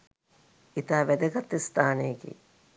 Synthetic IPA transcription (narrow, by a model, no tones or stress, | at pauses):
it̪aːʋɛd̪ɐɡɐt̪ːist̪aːneːɡḭː